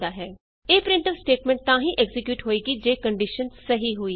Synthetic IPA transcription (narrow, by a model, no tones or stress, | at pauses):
d̪aːɦɛː | eːpɾɪɳʈəʋsʈeːʈmɛ̃ɳʈ̚t̪ãːɦĩːʔɛɡzɪkjuːʈɦoːiːɡiːd͡ʒeːkəɳɖiʃənsəɦiːɦoːiː